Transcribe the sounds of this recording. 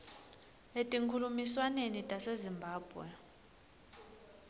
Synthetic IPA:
etʼiŋkʰulumiswanenitʼasezimbʱaːb̥ʱwɛ̰

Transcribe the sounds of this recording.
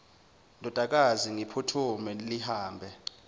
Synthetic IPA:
ndʱɔd̥ʱak̬aziŋipʰutʰumɛlihaːmbʱɛ

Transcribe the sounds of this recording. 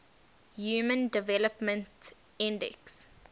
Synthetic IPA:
juːmə̃ndɪvɛləpmə̃nt | ĩndɛ̰ks

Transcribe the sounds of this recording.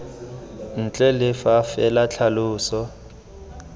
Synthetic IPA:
n̩t͡ɬʼɛlɪfafɛlat͡ɬʰalʊːsɔ

